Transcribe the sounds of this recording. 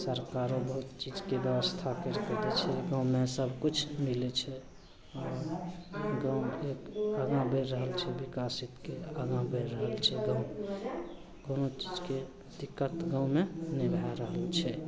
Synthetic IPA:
səɾkaɾobəɦut̪t͡ʃid͡ʒkebjɛbəst̪ʰakəɾk̪əd̪et͡ʃʰɛɡãwmesəbʱkut͡ʃʰmilet͡ʃʰɛ | ɔːɾ | ɡãwekaɡãbəɾːəɦəlt͡ʃʰɛbikasit̪keaɡãbəɾːəɦəlt͡ʃʰɛɡãw | ɡonot͡ʃid͡ʒke | d̪ikːət̪ɡãwmenibʱaɾəɦəlt͡ʃʰɛ

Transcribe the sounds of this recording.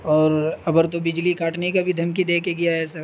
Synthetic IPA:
ɔːɾɐbəɾt̪obɪd͡ʒlikʰaːʈneikabʱid̪ʱɐmkid̪eːkeɡijaɦɛsɐɾ

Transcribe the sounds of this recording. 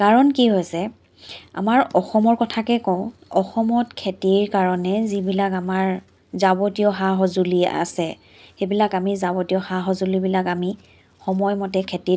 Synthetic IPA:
kaɹɔnkiɦojsɛ | a̰maɹɔxɔmɔɹkɔtʰakɛkɔʊ̃ɔxɔmɔtkʰetiɹkaɹɔnɛzibilakamaɹ | zabɔtiɔɦaɦɔzulia̰sɛ | xebilakamizabɔtiɔxaɦɔzulibilakami | xɔmɔjmɔtɛkʰeti

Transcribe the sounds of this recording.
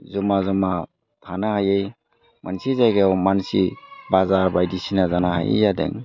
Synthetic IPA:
zɔmazɔma | tʰanahajej | mʔansizajɡewmansibazaɾbajdisinazanaha̰jḛjadḛŋ

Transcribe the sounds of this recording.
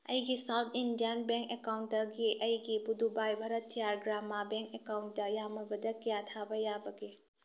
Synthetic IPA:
ɐ̰jɡisawtʰindijənbeŋkekawnt̚dɐɡiʔɐjɡibud̪ubajbʱaɾɐtʰːijaɾɡɾamːabeŋkekawnt̚dɐjamɐbɐdɐkijat̪ʰabɐjabɐɡe

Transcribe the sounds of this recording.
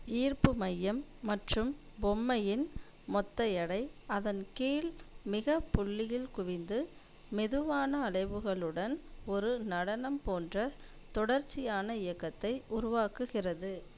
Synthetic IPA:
iːrpɯmɐjːɐmːɐʈrɯmbɔmːɐjɪn | mɔt̪ːɐjɐɽɐɪɐðɐnkiːlmɪɣɐpːʊɭːɪjɪlkʊʋɪnd̪ɯ | mɛðɯʋaːnɐːɭɐɪʋɯɣɐɭɯɽɐnɔɾɯnɐɽɐnɐmpoːndrɐ | t̪ɔɽɐɾt͡ʃːɪjaːnɐɪjɐkːɐt̪ːɐɪʔʊɾʊʋaːkɯɣɪrɐðɯ

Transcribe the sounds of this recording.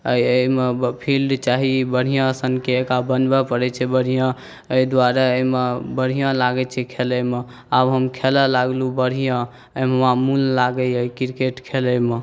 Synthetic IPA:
əjəmepʰilɖt͡ʃaɦibəɽ̤ijãsənkeːkabənbɛpəɾɛt͡ʃʰɛbəɽ̤ijã | əid̪waɾaəmebəɽ̤ijãlaɡɛt͡ʃʰɛkʰeləme | abɦəmkʰelɛlaɡlubəɽ̤ijã | əmɦəmamullaɡɛəikiɾkeʈkʰeləme

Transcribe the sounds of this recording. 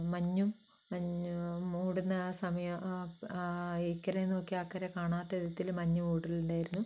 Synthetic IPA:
mɐɲːum | ɐɲ | uːɽinːɐsɐmɐjɐ | ekːɐɾɐenːoːkːiaːkːɐɾekaːɳaːt̪ːɐiðɐt̪ːilmɐɲːumuːɽiluɳɖaːjiɾunːu

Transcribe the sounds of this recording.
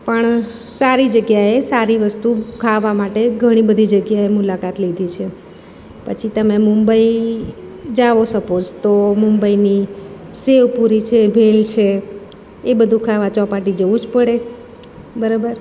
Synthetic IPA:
pəɳ | saɾid͡ʒəɡjaesaɾiʋəst̪ukʰaʋamaʈeɡʱəɽ̃ibəd̪ʱid͡ʒəɡjaemulakat̪lid̪ʱit͡ʃʰe | pə̰t͡ʃʰit̪əmemumbəi | d͡ʒaʋoʃəkod͡ʒt̪omumbəini | seʋpuɾit͡ʃʰebʱelt͡ʃʰeː | bəd̪ʱũkʰaʋat͡ʃɔpaʈid͡ʒəʋũd͡ʒpəɽe | bəɾabəɾ

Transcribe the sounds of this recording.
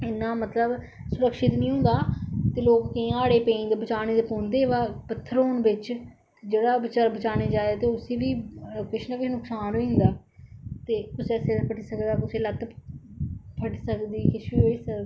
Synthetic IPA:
ɪnːãːmət̪ləb | sʊɾəkʃɪt̪nĩːɦʊ̃nd̪aːt̪eːloːkːɪ̃aːɽeːpẽːnd̪eːbət͡ʃaːneːd̪epõːnd̪eːʋaːpət̪ʰːəɾɦoːnbɪt͡ʃ | t̪ed͡ʒeːɽaːbɪt͡ʃaːɾbət͡ʃaːñeːd͡ʒaːaːt̪eːʊseːʋiːkɪt͡ʃʰnãːkɪt͡ʃʰnʊksaːnɦoːĩnd̪aːt̪eːkʊsɛːseːpʰəʈiːsəkd̪aːkʊsʰeːlət̪ | pʰəʈsəkd̪iːkɪʃiːɦoːiːsəkd

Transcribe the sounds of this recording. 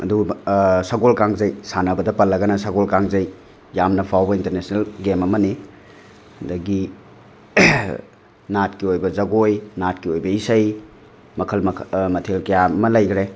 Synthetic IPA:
ɐ̰dusɐɡolkaŋzɐjsanɐbɐdɐpɐlːɐɡɐnɐsɐɡolkaŋzɐj | jamnɐpʰawbɐintɐɾnesnelɡemɐmɐni | dɐɡi | nat̚kiojbɐzɐɡojnat̚kiojbɐisɐj | mɐkʰɐlmɐmɐtʰelkɐjamɐlɐjɡɾe

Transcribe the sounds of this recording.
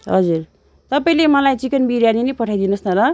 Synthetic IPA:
ɦʌd͡zur | t̪ʌpaĩlemʌlajt͡sikʌnbiɾjaninʌpʌʈʰajd̪inʌsnʌɾʌ

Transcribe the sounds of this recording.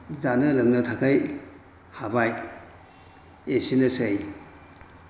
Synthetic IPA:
zanɯlɯŋnɐtʰakʰaj | habaj | esinɯsej

